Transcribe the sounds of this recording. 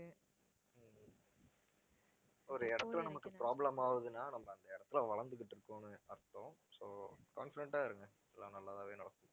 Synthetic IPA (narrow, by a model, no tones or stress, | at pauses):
ɔɾɯɛɽɐt̪ːɯlɐnɐmɐkːɯpɾaːblɐmaːʋɐðɯnːaːnɐmːɐɐnd̪ɐɪɽɐt̪ːɯlʋɐɭɐnd̪ɯk̬ːɪʈːɯɾɯkːõːnɯɐɾt̪ːõːsoːkaːnfɪɖɛɳʈːaːɪɾɯŋɡɐ | ɛlːãːnɐlːaːt̪ãːʋeːnɐɽɐk̪ːɯ